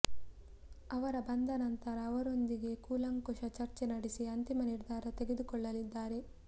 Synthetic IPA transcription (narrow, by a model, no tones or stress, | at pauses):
ɐʋɐɾɐbɐnd̪ɐnɐnt̪ɐɾɐːʋɐɾo̞nd̪iɡe̞kuːlɐŋkoʂɐt͡ʃɐɾt͡ʃenɐɽisiɐnt̪imɐniɾd̪ʱaːɾɐt̪e̞ɡe̞d̪ukɔɭːɐlid̪ːaːɾe̞